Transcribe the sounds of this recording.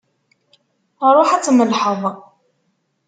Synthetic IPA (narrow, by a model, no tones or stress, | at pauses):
ɾˤoħat͡sːməlħəðˤ